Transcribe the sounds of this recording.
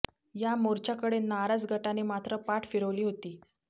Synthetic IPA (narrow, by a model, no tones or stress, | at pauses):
jamoɾt͡ɕakəɽenaɾad͡zɡʱəʈanemat̪ɾəpaʈʰfiɽəʋliːɦot̪iː